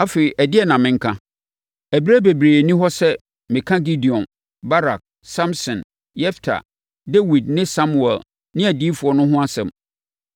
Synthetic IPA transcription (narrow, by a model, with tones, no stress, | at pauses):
a˦fe˨ɾi˨ʔæ˨dɪ˦ɛ˦˨nã˨mɪ̃˦ŋ̩˦kʰã˦ | æ˨bi˦ɾæ˦be˨bɾeː˨nĩ˦ɦɔ˦sɛ˦ | mɪ̃˨kʰã˦ɡi˦di˨ɔ̃˨n | ba˦ɾa̰˨k̚ | sã˦msɔ̃˨n | jɛ˦ftʰa̰˨ | de˦wi˨d̚nɪ̃˦sã˦mu˨ɛ̰˨l | nɪ̃˦æ˨di˦fu˨ɔ˦nʊ̃˦ɦʊ̃˦a˦sɛ̰̃˨m